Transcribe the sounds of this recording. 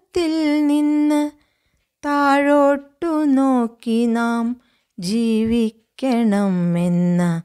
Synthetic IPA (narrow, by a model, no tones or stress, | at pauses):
t̪ilninːɐ | t̪aːɻoːʈːunoːkinaːm | d͡ʒiːʋikːɐɳɐmenːɐ